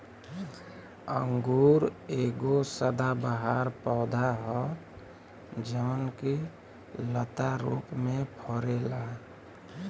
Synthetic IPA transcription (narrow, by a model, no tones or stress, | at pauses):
ə̰ŋɡuːɾeɡosəd̪abəɦaɾpɔːd̪ʱaɦɔ | d͡ʒənke | lət̪aɾṵpmẽpʰɔɾela